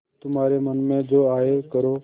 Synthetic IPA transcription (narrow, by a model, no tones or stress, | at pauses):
t̪ʊmaːɾemənmẽd͡ʒoːaːɦekəɾo